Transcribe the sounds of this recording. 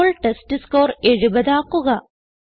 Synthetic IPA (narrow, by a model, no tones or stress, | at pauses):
ɭʈestɨsko̞ːre̞ɻubɐðaːkːuɣɐ